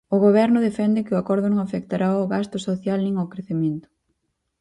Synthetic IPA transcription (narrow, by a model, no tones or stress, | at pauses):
ʊɣoβ̞ɛɾnʊðefɛnd̪ɪkɪʊakɔɾðʊnõŋafɛkt̪aɾaoɣast̪ʊsoθjalnĩŋokɾeθemẽnt̪ʊ̥